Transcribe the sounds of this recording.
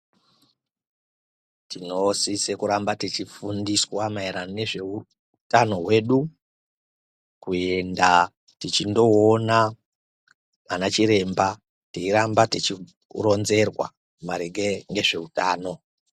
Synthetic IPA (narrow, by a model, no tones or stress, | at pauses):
tino̞sisekuɾambatit͡ʃifundiswamaiɾanne̞ʐe̞u | tano̞ɦwe̞ːɗu | kue̞nda | tit͡ʃindo̞ːna | anat͡ʃiɾe̞mba | teiɾambatit͡ʃi | ro̞nze̞rwa̰ | maɾeɡeŋɡe̞ʐe̞utaːno̞